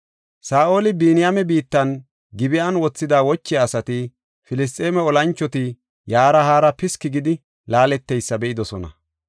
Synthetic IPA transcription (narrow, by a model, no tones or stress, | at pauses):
saːʔo̞ːlɪbiːnɪjamɛbiːt̪ːɐn | ɡɪbɪʔɐnwɔt͡sːɪd̪aːwɔt͡ʃːɪjaːsɐt̪ɪ | fɪlɪs̬t̪ʼe̞ːmɛɔlɐnt͡ʃːɔt̪ɪ | jaːɾɐhaːɾɐpɪskːɪɡɪd̪ɪ | laːlɛt̪ːɛjsːɐbɛʔɪd̪ɔsɔnɐ̰